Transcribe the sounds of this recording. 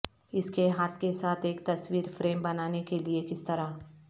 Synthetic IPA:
ɪskeɦaːt̪ʰkesaːt̪ʰeːkt̪ɐswiːɾfɾeːmbɐnaːnekeliekɪst̪ɐɾa

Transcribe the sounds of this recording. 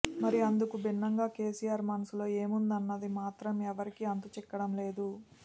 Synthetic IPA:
mɐɾiɐnd̪ukubinːɐŋɡaːke̞ːsijaːɾmanɐsulo̞ːeːmund̪ɐnːɐd̪imaːt̪ɾɐmɛʋɐɾikiɐnt̪ut͡ʃɛkːɐɽɐmle̞ːd̪u

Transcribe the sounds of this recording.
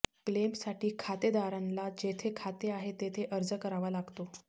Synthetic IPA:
klemsaʈiːkʰat̪ed̪aɾãnlad͡ʑet̪ʰekʰat̪eaɦet̪et̪ʰeʔəɾd͡zəkəɾaʋalaɡt̪o

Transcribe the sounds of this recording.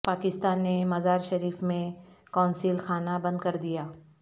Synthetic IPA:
paːkɪst̪aːnːemɐzaːɾʃɐɾiːfmẽkaːʊnsilxʰaːnabɐ̃nd̪̚kɐɾd̪ijaː

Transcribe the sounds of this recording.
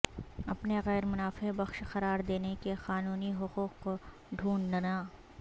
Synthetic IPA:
ɐpneɣɛːɾmʊnaːfebɐxʃxɐɾaːɾd̪eːnekeqaːnuːniɦʊquːqko | ɖʱuːɳɖnɐnaː

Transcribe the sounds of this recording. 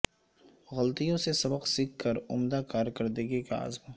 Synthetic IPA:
ɣɐlt̪ijõsesɐbəqsɪkkəɾʊmd̪akaːɾkɐɾd̪eɡikaa̰ːzm

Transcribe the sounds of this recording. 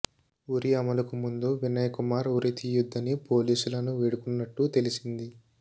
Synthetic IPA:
uɾiɐmɐlɐkumund̪uʋinːɐjɐkumaːɾuɾit̪ijud̪ʱːɐnipo̞ːliːsulɐnuʋeɽukunːɐʈːut̪e̞lisind̪i

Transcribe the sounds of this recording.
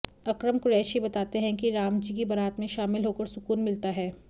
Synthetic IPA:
ɐkɾəmkʊɾɛːʃibɐt̪aːt̪eɦɛ̃kiɾaːmd͡ʒikibɐɾaːt̪mẽʃaːmɪlɦoːkəɾsʊkuːnmɪlt̪aɦɛː

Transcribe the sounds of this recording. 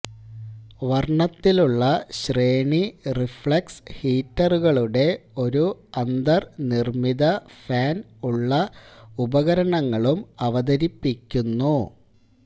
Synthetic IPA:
ʋɐrɳɐt̪ːiluɭːɐɕre̞ːɳirifɭɐkshiːtːɐruɣɐɭuɽe̞o̞ɾuɐnd̪ɐrnirmiðɐfaːn | uɭːɐubɐɣɐɾɐɳɐŋːɐɭumɐʋɐd̪ɐɾipːikʲːunːu

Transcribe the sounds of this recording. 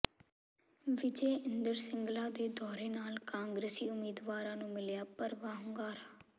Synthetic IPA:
ʋɪd͡ʒeːɪnd̪əɾsɪŋɡlaːd̪eːd̪ɔːɾeːnaːlkãːŋɡɾeːsiːʊmiːd̪ʋaːɾãːnũːmɪljaːpəɾʋaːɦʊŋɡaːɾaː

